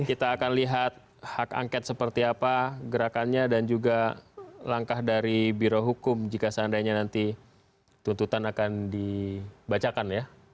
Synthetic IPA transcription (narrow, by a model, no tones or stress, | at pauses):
kit̪aːkanliɦat̪̚ | haka̰ŋkɛt̪̚səpərt̪iapaɡəɾakanɲadand͡ʒuɡalaŋkahdaɾibiɾoɦukʊmd͡ʒikasandajɲanant̪i | t̪unt̪ut̪anakandibat͡ʃakanja